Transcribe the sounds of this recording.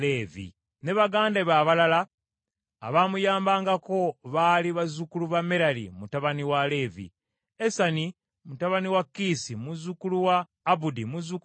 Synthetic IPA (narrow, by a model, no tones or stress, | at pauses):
leːvḭ | ne̞βaɡaːndaβaβalala̰ː | βamujaːmbaːŋɡako̞βaliβazukuluβameɾalḭmutaβaniwale̞ːvḭ | esani | mutaβaniwakːisimuzukuluwaː | βudimuzuk